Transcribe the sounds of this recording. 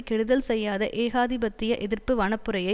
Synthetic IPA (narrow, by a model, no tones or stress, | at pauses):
kɛɽɯðɐlsɛjːaːðɐʔeːɣaːðɪbɐt̪ːɪjɐʔɛðɪrpɯʋɐɳɐpːɯɾɐjɐɪ